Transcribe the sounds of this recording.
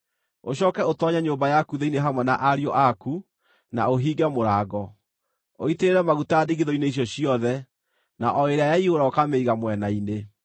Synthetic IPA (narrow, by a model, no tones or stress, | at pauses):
oɕɔkɛotɔɲaɲoːmbajakuðeineɦamwɛnaʔaɾiɔʔaku | na̰oɦiːɡamoɾaːɡɔ | o̰iteɾeɾɛmaɣutaːdiɣiðɔineiɕ̬jɔɕiɔðɛ | naʔɔeɾeajaiɣoɾaɔkameiɣamwɛnaine